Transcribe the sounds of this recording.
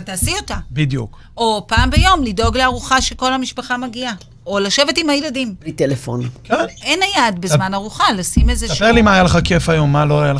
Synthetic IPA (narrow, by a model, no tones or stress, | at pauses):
taːsio̞tabidjṵk | ʔo̞paːmbejo̞mlido̞ɡleaʁuχaʃeko̞lhamiʃpaχamaɡia | olaʃe̞ve̞timhajeladimlitelefo̰nkenʔenajadbezmanaʁuχalasimezespeʁlimaːjaleχake̞fajo̞mːaloajal